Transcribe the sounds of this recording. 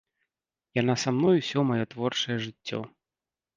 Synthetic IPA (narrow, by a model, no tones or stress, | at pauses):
janasamnɔjusʲɔmajɔt̪vɔrt͡ʂɐjɛʐɨt͡sʲːɔ̰